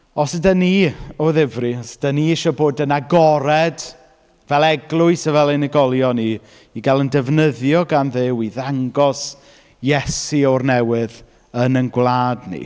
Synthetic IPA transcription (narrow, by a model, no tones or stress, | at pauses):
ɔsədəniɔðɪvrisd̥əniɪʃɔboːdənaɡɔɾɛd | vɛlˠɛɡlˠʊɨsəvɛlˠɪnəɡɔlˠjɔni | iɡalˠəndɛvnəðjɔɡanðɪwiðaŋɡɔs | jɛsiɔrnɛwɪð | ənənɡwlˠaːdnḭ